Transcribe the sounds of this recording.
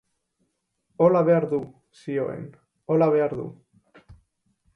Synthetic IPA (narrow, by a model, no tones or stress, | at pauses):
o̞laβe̞aɾðu | sio̞e̞̰n | o̞laβ̞e̞aɾðṵ